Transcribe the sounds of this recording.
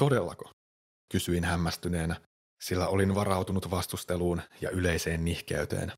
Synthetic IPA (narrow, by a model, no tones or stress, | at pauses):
t̪o̞de̞lːɑ̰ko̥ | kysyinhæmːæst̪yne̞ːnæ | silːæo̞linʋɑɾɑwt̪unut̪ʋɑst̪ust̪eluːnjɑ̰ʔyle̞jse̞ːnːihkḛyt̪ḛːn